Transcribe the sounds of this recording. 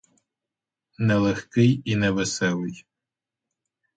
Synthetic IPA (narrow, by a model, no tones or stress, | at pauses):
nɛlˠexkɪjinɛʋɪsɛlˠɪj